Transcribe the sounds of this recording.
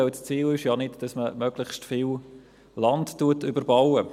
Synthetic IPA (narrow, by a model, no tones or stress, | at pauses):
ɛlst͡siːlɪʃjɑnɪtd̥ɑsməmœɡ̥lɪχstfɪːl | lɑndtuətʏbəɾbɑwə